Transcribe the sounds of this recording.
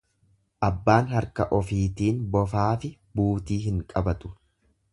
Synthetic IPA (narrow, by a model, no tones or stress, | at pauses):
ʔɐbːaːnhɐɾkɐʔɔfiːt̪iːnbɔfaːfɪ | buːt̪iːɦɪŋkʼɐbɐt̪ʊ̥